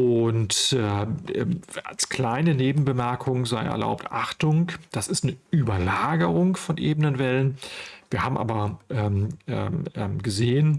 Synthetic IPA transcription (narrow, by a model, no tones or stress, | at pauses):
ʔʊntɛʔɛ̰ːa̰lskl̥aɪnəneːbm̩bəmɛɐkʰʊŋzaɪʔɛ̰ɐla̰ʊp̚tʔa̰χtʊŋd̥asɪstnəʔyːbɐlaːɡəʁʊŋfɔnʔeːbənənvɛlənviːɐhaːbm̩ʔa̰ːbɐʔɛmɛ̰ɡəzeːən